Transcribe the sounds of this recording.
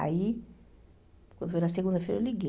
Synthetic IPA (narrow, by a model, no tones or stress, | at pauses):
a̰i | kwɐ̃nd̪ufojnɐseɡũnd̪ɐfḛjɾɐliɡe